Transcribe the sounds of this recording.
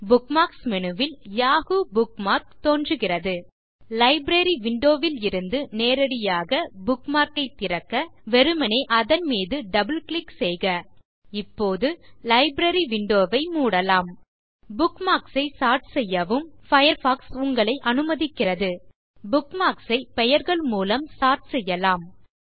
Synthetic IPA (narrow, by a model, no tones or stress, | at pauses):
bʊkmaːksmɛnɯʋɪljaːɣubʊk̚maːɾk̚t̪oːndrɯɣɪrɐðɯ | lɐɪbɾɐɾiʋɪɳɖoːʋɪlɪɾɯnd̪ɯneːɾɐɽɪjaːɣɐbʊkmaːɾkɐɪt̪ːɪɾɐkːɐʋɛɾɯmɐnɐɪʔɐðɐnmiːðɯɖɐbɯlkɭɪksɛjɣɐ | ɪpːoːðɯlɐɪbɾɐɾiʋɪɳɖoːʋɐɪmuːɽɐlaːm | bʊkmaːksɐɪsaːɾʈsɛjːɐʋɯmfɐjɐɾfaːksʊŋɡɐɭɐɪʔɐnɯmɐðɪkːɪrɐðɯ | bʊkmaːksɐɪpɛjɐɾɣɐɭmuːlɐmsaːɾʈsɛjːɐlaːm